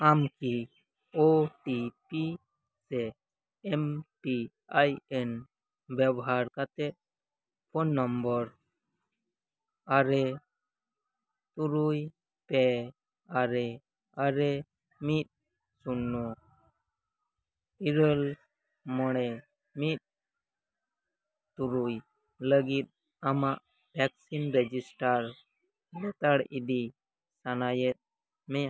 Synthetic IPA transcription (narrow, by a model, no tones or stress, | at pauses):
amki | oʈipi | se | emʈi | ajen | bɛbɦaːɾkat̪e | pʰɔnːɔmbɔɾ | aɾe | t̪uɾuj | pe | aɾe | aɾe | mit̪̚ | sunːɔ | iɾəl | mɔɽ̃ɛ | mit̪̚ | t̪uɾuj | ləɡit̪̚ | amaʔ | pʰɛksinɾɛd͡ʒisʈaɾ | lɛt̪aɽidi | sanajɛt̪̚ | mɛ